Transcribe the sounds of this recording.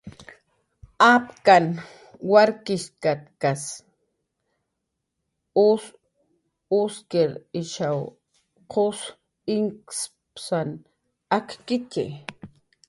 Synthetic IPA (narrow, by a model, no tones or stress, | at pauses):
apkan | waɾkɪʃkat̪kas | ʊs | ʊskeɾɪʃaw | qʰos | ɪŋks | psan | akkɪt̪ḛ